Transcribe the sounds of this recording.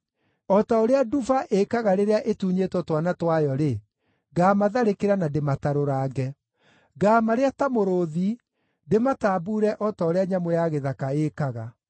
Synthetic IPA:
ɔtaoɾeadufaʔekaɣaɾeɾeaʔetuːɲetwɔtwanatwajɔɾe | ɡaːmaðaɾekeɾanademataɾoɾaːɡɛ | ɡaːmaɾeatamoɾoði | demataːbuɾɛʔɔtaoɾeaɲamojaɣeðakaekaɣa

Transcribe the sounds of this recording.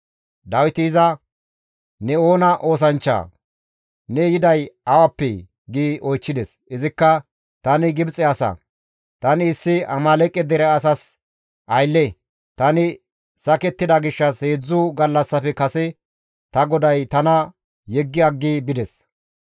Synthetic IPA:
d̪ɐwɪt̪ɪːzɐ | nɛo̞ːnɐʔo̞ːs̬ɐnt͡ʃːa̰ː | nɛjɪd̪ɐjɐwɐpːɛ̰ | ɡiːʔɔjt͡ʃːɪd̪ɛs | ɪzɪkːɐ | t̪ɐnɪɡɪbt͡sʼːɛɐsɐ̰ | t̪ɐnɪːsːɪɐmɐlɛkʼːɛd̪ɛɾɛɐsɐs | ʔɐjlːɛ | t̪ɐnɪ | sɐkɛt̪ːɪd̪ɐɡɪʃːɐsheːd͡zːʊɡɐlːɐsːɐpɛkɐsɛ | t̪ɐɡɔd̪ɐjt̪ɐnɐ | jɛɡːɪɐɡːibɪd̪ɛs

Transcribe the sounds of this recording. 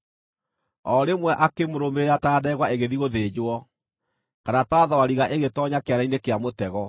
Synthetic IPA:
ɔɾemwɛʔakemoɾomeataːdɛeɣwaeɣeðiɣoðed͡ʑwɔ | kanatwaðɔaɾiɣaʔeɣetɔɲakeanainekeamotɛɣɔ

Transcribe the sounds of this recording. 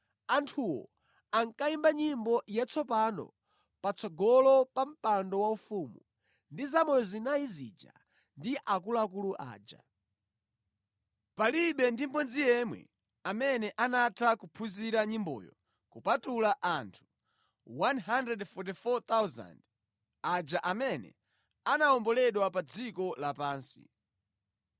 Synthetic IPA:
antʰuwɔ̰ | aŋkaimbaɲimbɔjat͡sʰɔpanɔ̰ | pat͡sʰɔɡɔlɔpam̩pandɔwaufumṵ | ndizamɔjɔzinaizḭd͡ʒa̰ | ndiʔakulakuluʔa̰ːd͡ʒa̰ | paliɓɛndim̩p̬ɔnzijɛmwɛ̰ | amɛnɛʔanatʰakupʰuziɾaɲimbɔ̰jɔ̰ | kupatulaʔantʰu̥ | wanɦandrɛdfɔt̬ifɔt̪awza̰nd | ad͡ʒaʔamɛnɛ̰ | anaɔmbɔlɛɗwapad͡zikɔlapaːnsḭ

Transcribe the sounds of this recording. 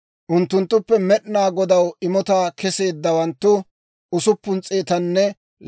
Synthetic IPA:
ʔʊnt̪ːʊnt̪ːʊpːɛmɛɗɪnaːɡɔd̪ɐwɪmɔt̪aːkʰɛse̞ːd̪ːɐwɐnt̪ːʊ | ʊsʊpːʊnt͡sʼe̞ːt̪ɐnːɛ

